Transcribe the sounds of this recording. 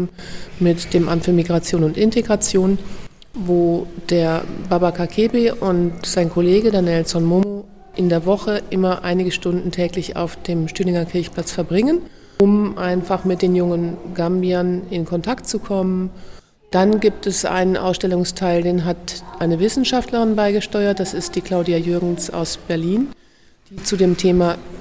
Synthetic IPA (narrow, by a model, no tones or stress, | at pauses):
mɪtd̥eːmʔamtfːɐmiɡʁat͡sjoːnʊntɪnteɡʁat͡sjoːn | voːd̥eːɐbabakakʰebeʔʊntz̥aɪnkʰɔleːɡədanjɛlsɔnmomo | ʔɪndeːɐvɔχəʔɪmɐʔa̰ɪnɪɡəʃtʊndn̩tʰɛːklɪça̰ʊfd̥eːmʃtyːnɪŋɐkʰɪɐçpl̥at͡sfɛɐbʁɪŋən | ʊmʔaɪnfaχmɪt̚d̥eːnjʊŋənɡ̥ambianɪnkʰɔntʰaktt͡sukʰɔmən | d̥anɡiːp̚tɛsʔa̰ɪnənʔa̰ʊsʃtɛlʊŋstʰaɪldeːnɦatʔaɪnəvɪsn̩ʃaftləʁɪnbaɪɡəʃtɔʏɐt̚d̥asɪst̚d̥iːkl̥aʊdiajʏɐɡŋ̩sa̰ʊsb̥ɛɐliːn | d̥iːt͡sudeːmtʰeːma